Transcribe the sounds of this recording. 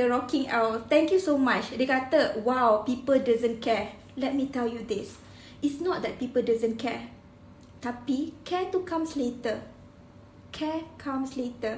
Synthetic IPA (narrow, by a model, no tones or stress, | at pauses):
dəɹɔkĩŋawt̪ɛ̃ŋkjusomat͡ʃdekat̪əwawpipəldizə̃nkʰɛ | lɛt̚mitɛljud̪ɪs | itsnɔt̚d̪ɛt̚pipəldizə̃nkʰɛ | t̪apikʰɛtukʰãmsletə | kʰɛkʰãmsletə